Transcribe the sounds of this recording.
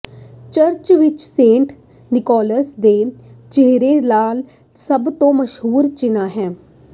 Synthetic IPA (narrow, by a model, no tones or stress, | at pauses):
t͡ʃəɾt͡ʃʋɪt͡ʃsẽːɳʈ | nɪkɔːləsd̪eːt͡ʃeɦɾeːlaːl | səbt̪õːməʃɦuːɾt͡ʃɪnaːɦɛː